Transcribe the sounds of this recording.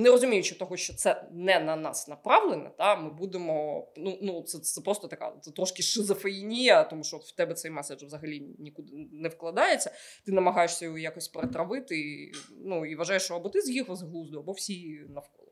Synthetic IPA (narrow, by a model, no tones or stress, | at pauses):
nɛɾɔzʊmʲijʊt͡ʃɪt̪ɔɦɔʃt͡ʃɔt̪sɛnɛnɐnɑ̰snɐpɾɑʋlˠenɛ̰t̪amɪbud̪ɪmɔnunut̪sɛt̪ɛpɾɔst̪ɔt̪ɐka̰t̪sɛt̪ɾɔʃkʲɪʂɪzɐfejinʲijɐt̪ɔmuʃt͡ʃɔɔt̪w̥t̪ɛbɛt̪sɛjmɛsed͡ʒvzɐɦɐlʲinʲikud̪ɪnɛfklˠɐd̪ɑjet͡sʲːɐ | t̪ɪnɐmɐɦɑjeʂsʲɐjɔɔjakɔsʲpeɾet̪ɾɐʋɪt̪ɪnuiʋɐʒɑjeʂʃt͡ʃɔɐbɔt̪ɪzjixɐzɦlˠuzd̪ʊɐbɔwsʲinɐfkɔ̰lˠɪ